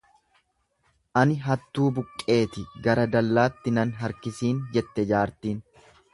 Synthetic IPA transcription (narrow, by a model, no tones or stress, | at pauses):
ʔɐnɪɦɐt̪ːuːbʊkʼːe̞ːt̪ɪɡɐɾɐd̪ɐlːaːt̪ːɪnɐnɦɐɾkɪsiːnd͡ʒɛt̪ːɛd͡ʒaːɾt̪iːn